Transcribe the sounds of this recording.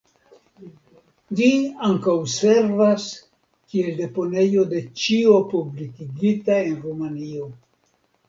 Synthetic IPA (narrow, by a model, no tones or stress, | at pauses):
d͡ʒiaŋkawse̞ɾvas | kie̞lde̞po̞ne̞jo̞de̞t͡ʃio̞publikiɡitae̞nɾumanio